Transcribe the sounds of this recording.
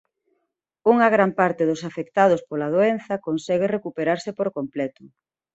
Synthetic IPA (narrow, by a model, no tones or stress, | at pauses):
uŋɐɣ̞ɾampaɾt̪eðʊsafekt̪aðospolað̞oen̟θɐkonsɛɣerekupeɾaɾsepoɾkomplɛt̪ʊ